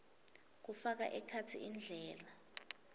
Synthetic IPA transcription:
k̬ufak̬aʔɛkʰat͡sʰiʔind͡ɮʱɛːla

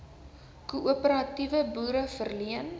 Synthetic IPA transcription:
kuʔuəpəɾɐtivəbuːɾəfərliən

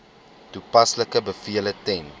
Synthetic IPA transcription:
tupɐsləkəbəfiələtɛn

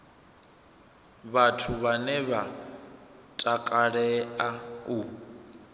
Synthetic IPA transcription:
βatʰuβanɛβa | tʼakʼaɺɛau

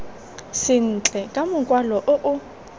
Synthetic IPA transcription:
sɪn̩t͡ɬʼɛkʼamʊŋkʼwalɔʔʊʔʊ

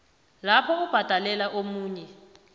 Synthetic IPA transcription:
lapʰɔub̥ʱad̥ʱalɛlaʔomuːɲɛ

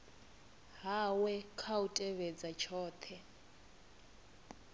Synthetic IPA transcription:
ɦawɛkʰautʼɛβɛd͡zat͡ʃʰɔːt̪ʰɛ

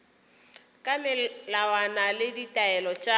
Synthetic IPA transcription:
kʼamɪlawanalɪditʼaɛlɔt͡ʃʼa

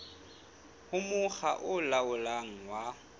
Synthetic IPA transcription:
hʊmʊχa̰ʔʊlaʊlaŋ̩wa

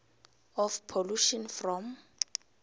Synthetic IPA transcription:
ɔfpʰoluʃɔnfrɔm

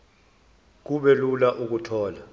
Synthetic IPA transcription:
k̬uɓɛlulaʔuk̬utʰɔːla

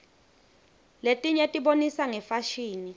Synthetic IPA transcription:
letʼiɲɛtʼiɓonisaŋɛfaʃiːni

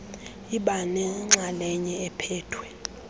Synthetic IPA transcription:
iɓanɛŋ͡ǁʱalɛɲɛɛpʰɛːtʰwɛ

